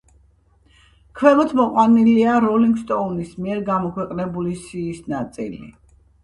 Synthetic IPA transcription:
kʰwɛmɔt̪ʰmɔqʼwaniliaɾɔliŋɡst̪ʼɔnismiɛɾɡamɔkʰwɛqʼnɛbulisiːsnat̪sʼḭlḭ

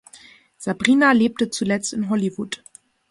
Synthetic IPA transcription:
z̥abʁiːnaleːp̚tət͡sulɛt͡stɪnɦɔlivut

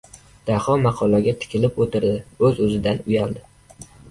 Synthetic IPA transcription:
d̪̥ahɒmɑqʰɒlˠaɡʲat̪ʰɪ̥kʲʰɪlɪpot̪ʰɪɾd̪ɪɵzɵzɪd̪anʊjalˠd̪ɪ

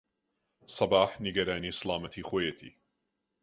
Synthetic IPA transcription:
sˤɑbɑːħnɪɡaɾaːniːsˤlɑːmat̪ʰixwajat̪ḭː

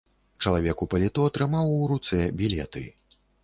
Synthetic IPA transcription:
t͡ʂɐlˠavʲɛkupɐlʲɛt̪ɔɐt̪ɾɨmawuɾut̪sɛbʲilʲɛ̰t̪ɨ̰

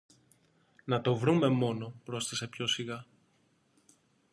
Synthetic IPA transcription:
nɐt̪o̞vɾume̞mo̞no̞pɾo̞st̪ɐse̞pço̞siɣɐ

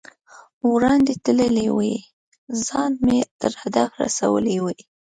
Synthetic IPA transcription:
wɾɑnd̪et̪ələlewəj | zɑnmet̪əɾhad̪afɾa̰sa̰wə̰lewəj

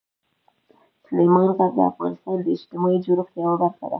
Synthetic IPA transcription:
sʊlemɑnkad̪ə̰a̰fɣɑ̰nɪst̪ɑnd̪əɪʃt̪ɪmɑjid͡ʒoɾʊxt̪jɑwabaɾxa̰d̪a̰

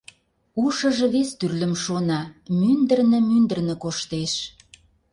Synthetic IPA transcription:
uʃə̆ʒɤ̆βest̪yrlə̆mʃonɑmynd̪ə̆rnɤ̆mynd̪ə̆rnə̆koʃt̪eʃ

